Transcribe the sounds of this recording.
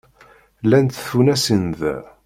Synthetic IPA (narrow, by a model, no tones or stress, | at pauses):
lænt̪θunæsənð